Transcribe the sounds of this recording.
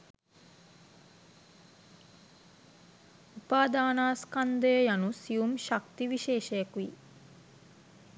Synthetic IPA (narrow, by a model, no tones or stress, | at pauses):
upaːd̪aːnaːskand̪əjəjanusiumʃakt̪iʋiʃeːʃəjəkui